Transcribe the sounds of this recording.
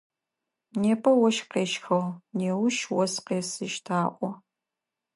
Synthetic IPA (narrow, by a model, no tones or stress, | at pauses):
neːpʰʼɐwɔʃqeːʃxɐwneːwʊʃwɔsqeːsɨʃtʰaːʔʷʼɔ